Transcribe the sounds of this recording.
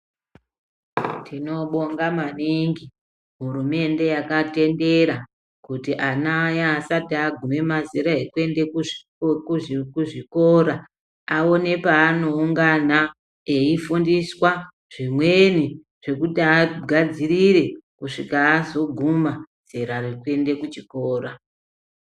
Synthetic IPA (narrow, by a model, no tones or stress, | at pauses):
tʰino̞ɓo̞ŋɡamaniŋɡi | ɦuɾume̞nde̞jakate̞nde̞ɾa | kutiʔanajaːsatiaɡʱume̞maziɾaɦekue̞nde̞kuʐ | kkuʐiko̞ɾa | ao̞ne̞paːno̞uŋɡana | eifundiswa | ʐ̥imwe̞ni | ʐ̥e̞kutiaɡʱad͡ziɾiɾe̞kuʂikaːzo̞ɡʱumaz̥eɾarikwe̞nde̞kut͡ʃikoːɾa